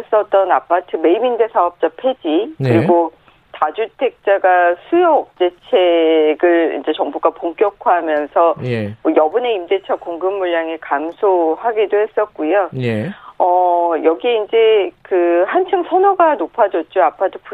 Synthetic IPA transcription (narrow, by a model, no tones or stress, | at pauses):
s͈ʌt̚t͈ʌnapʰatʰɯme̞imindesʰaʌp̚t͡ɕ͈apʰe̞d͡ʑikɯɾiɡo | tad͡ʑutʰe̞k̚t͡ɕ͈aɡasʰujʌːk̚t͡ɕ͈e̞t͡ɕʰeɡɯɭḭnd͡ʑe̞t͡ɕʌŋbuɡapoŋk͈jʌkʰwaɦamjʌnsʰʌmʌjʌbune̞imde̞t͡ɕʰʌkoŋɡɯmːuɭːaŋekamsʰohaɡidohe̞s͈ʌt̚k͈ujojʌjʌɡieind͡ʑe̞kɯhant͡ɕʰɯŋsʰʌnoɡanopʰad͡ʑʌt̚t͡ɕ͈oapʰatʰɯ̥p